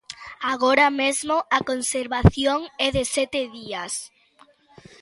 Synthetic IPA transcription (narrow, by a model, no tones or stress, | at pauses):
aɣoɾamezmoakonseɾβaθjoŋɛðesɛt̪eðias